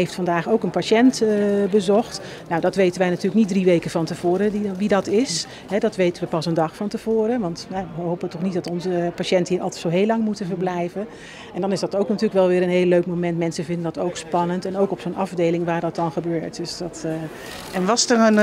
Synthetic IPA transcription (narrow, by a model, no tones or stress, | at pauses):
ɦejftfɑndaːχowkənpaʃɛntbəzɔχt | nawdɑtʋejtənʋɛjnatyːrləknit̚driʋejkəvɑntəv̥oːɾədiʋidɑtɪs | ɦɛdɑtʋejtənʋəpɑsəndɑχfɑntəv̥oːɾəʋɑntjaʋəəɦɦowpətɔχnitdɑtɔnzəpaʃɛntəɦiːɹɑ̰lˠtɛ̥tsoɦeːlːɑŋmutəvəɹblɛjvə | ʔɛndɑnɪsdɑtowknatyːrləkʋɛlˠʋɪːɾənɦeɪːlːøɥkmowmɛntmɛnsəvɪndəndɑtowkspɑnəntɛnowkɔpsonʔɑvdejlɪŋʋaːɹdɑt̚dɑnχəbøːɹtd̥øsdɑt | ɛnʋɑstənən